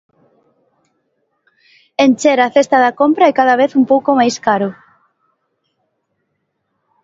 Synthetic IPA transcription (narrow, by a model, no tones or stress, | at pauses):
ent͡ʃeɾaθest̪aðɐkompɾaɛkaðaβ̞eθumpowkomajskaɾʊ